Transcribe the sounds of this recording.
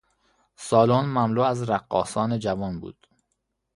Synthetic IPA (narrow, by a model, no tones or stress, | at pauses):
sɒːlonmæmluːæzɾæɢːɒ̰ːsɒːned͡ʒævɒːnbṵːd̪̥